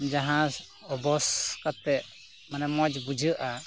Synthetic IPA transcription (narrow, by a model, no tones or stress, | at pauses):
d͡ʒaɦãs | ɔbɔskat̪ɛʔ | manɛmɔd͡ʒbud͡ʒəʔa